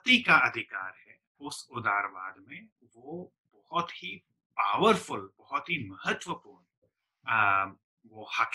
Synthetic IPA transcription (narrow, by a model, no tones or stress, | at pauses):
t̪ikaɐd̪ʱɪkaːɾɦɛ | ʊsʊd̪aːɾbaːd̪mẽ | ʋo | bɐhɔt̪hi | paːʋəɾfʊlbɐɦɔt̪ɦimɐɦət̪ʋəpuːɾn | ʋohak